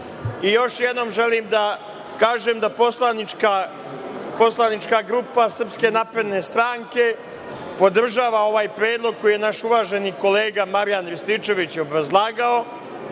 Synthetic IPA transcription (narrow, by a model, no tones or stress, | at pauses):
ijo̞ʃjed̪no̞ːmʒe̞liːmd̪a | kaːʒeːmd̪aposlˠanika | poslˠanit͡ʃkaɡɾupasr̩pske̞naːpɾed̪ne̞st̪ɾaːŋke̞ | po̞d̪r̩ʒaːʋao̞ʋaːjpɾeːd̪lˠo̞ɡ̚ko̞jijenaʃuʋaːʒe̞niːko̞le̞ːɡamaɾjanɾist̪it͡ʃe̞ʋit͡ɕjeobɾazlˠaːɡao̞